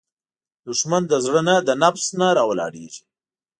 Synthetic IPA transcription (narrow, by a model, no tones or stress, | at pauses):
d̪ʊʂmand̪əzɽənad̪ənafsnaɾɑwlɑ̰ɽḛʒi